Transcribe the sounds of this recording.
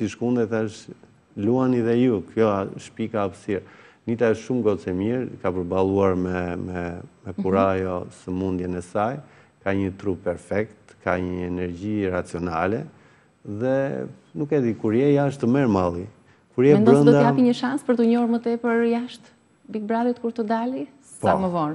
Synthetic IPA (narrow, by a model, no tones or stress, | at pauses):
siʃkund̪ɛt̪əʃt̪ | luaniðɛjukjɔʃpikaːpsiɾnit̪aəʃt̪ʃumɡɔt͡sɛmiɾkapəɾbalˠuaɾmɛmɛmɛkuɾajɔsəmund̪jɛnɛsaj | kaɲət̪ɾupːɛɾfɛkt̪kaɲəəɛnɛɾɟiɾat͡siɔnalɛ | ðɛ | nukɛd̪ikuɾjɛjaʃt̪əmɛɾmalˠi | kuɾjɛɛndb̪ɔɾənd̪ɔd̪ahapiɲəʃanspəɾt̪əɲɔɾmət̪ɛpəɾjaʃt̪ | bik̚bɾaðjɛt̪kuɾt̪əd̪ali | paməvɔn